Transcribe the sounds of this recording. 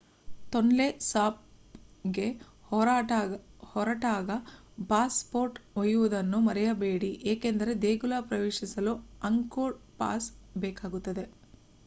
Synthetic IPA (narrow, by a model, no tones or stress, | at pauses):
t̪oɳlesaːp̚ɡe̞ | ɔ | hɔɾɐʈaːɡɐpaːspo̞ːɾʈojuʋud̪ɐnːumɐɾɛjɐbe̞ːɽiʔeːkend̪ɐɾe̞d̪eːɡulapɾɐʋeːʂisɐluɐŋkoːɾpa̰ːsbɛːkaːɡut̪ːɐd̪e̞